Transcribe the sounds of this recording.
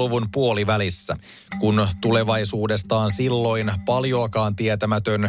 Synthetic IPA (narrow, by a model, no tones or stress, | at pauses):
uʋunpuo̞liʋælisːæ̰ | kunt̪ule̞ʋɑjsuːde̞st̪ɑːnsilːo̞inpɑljo̞ɑkɑːnt̪iet̪æmæt̪øn